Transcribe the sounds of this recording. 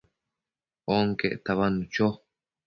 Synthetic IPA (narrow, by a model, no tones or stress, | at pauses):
oŋkeʔt̪aβanut͡ʃo